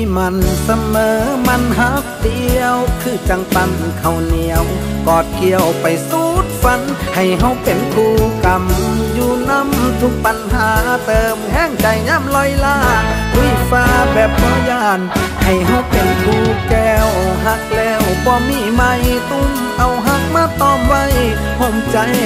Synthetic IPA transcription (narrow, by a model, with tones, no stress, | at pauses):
ma˧nsa˧mɤː˨˦ma˧˥˨nɦa˧˥k̚t̪i˧əwt̪ʰɯː˧˩t͡ɕa˧ŋt̪a˧ŋ˧kʰa˨˩wni˧əwkɔː˨˩t̪̚ki˨˧˨əwpa˨˩jsuː˧˥t̪̚fa˧˦nha˨˩jɦa˧˥˩wpe˨˩nkʰuː˧ka˧mjuː˧na˧˥˨mt̪ʰu˧k̚pa˧nɦaː˨˦t̪ɤː˧mhɛː˧˥˩ŋt͡ɕa˨˩jɲaː˧˥˨mlɔ˧˥jlaː˧˩ɾiː˧˥˩faː˧˥bɛː˨˩p̚bɔː˧˥jaː˧˩nha˨˩jɦa˧˥˩wpe˨˩nkʰuː˧˩kɛː˧wɦa˧˥k̚lɛː˧˥˩wbɔː˧miː˧˩ma˧˩jt̪u˧˩ŋ | ʔa˨wɦa˧˥k̚maː˧˥t̪ɔː˧˩mwa˧˩j | hʰo˧˩mt͡ɕa˧˥j